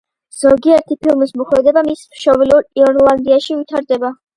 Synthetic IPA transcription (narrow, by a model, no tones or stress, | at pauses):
z̥ɔɡiɛɾt̪ʰipʰilˠmismɔχɛd̪ɛbamismʃɔviluɾiɔnlˠand̪iaʃivit̪ʰaɾd̪ɛba